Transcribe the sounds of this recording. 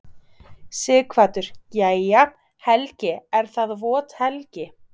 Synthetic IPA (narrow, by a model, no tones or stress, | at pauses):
sɪːkʰvaːt̪ʏɾ̥caːja | hɛlcɪɛɾ̥θaðvɔːt̪hɛlcɪ